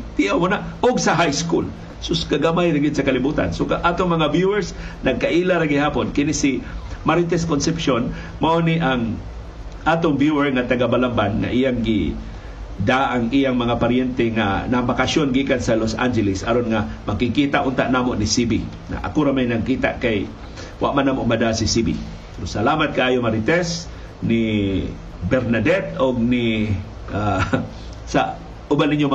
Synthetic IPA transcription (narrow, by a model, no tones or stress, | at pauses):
t̪iʔawmonaoɡ̚sɐɦajskṵl | sʊskaɡamajɾaɡɪd̪̚sɐkɐlɪbuːt̪a̰nsokaʔaːt̪oŋmɐŋavjuɛɹsnɐɡ̚kaʔiːlaɾaɡɪhaːponkɪnɪsɪmaɾɪt̪ɛskonsɛpʃon | maʔoniʔaŋ | ʔaːt̪ʊŋvjuɛɹŋat̪ɐɡabalambanŋa̰ʔijaŋɡɪ̰ | d̪aʔaŋʔijaŋmɐŋapaɾjɛnt̪ɛŋa̰nabakasjonɡiːkansalosʔa̰nd͡ʒɛlɪsaɾonŋamakikit̪aʔʊnt̪aʔnaːmoʔnɪsibi | na̰ʔa̰kʊɾamajnaɡ̚kiːt̪a̰ʔkaj | wʔa̰ʔmanaːmoʔmad̪asisibḭ | pɛɾosalaːmat̪̚kaʔaːjomaɾɪt̪ɛs | nɪ | bɛɾnad̪ɛt̪̚oɡ̚nɪ | ʔa | sa | ʔʊbaniɲjom